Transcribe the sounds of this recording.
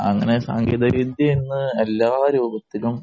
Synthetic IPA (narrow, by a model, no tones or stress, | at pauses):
ɐ̰ŋːɐne̞sa̰ːŋɡeːd̪ɐɡid̪jɐinːɨelːaːɾuːbɐt̪ːilum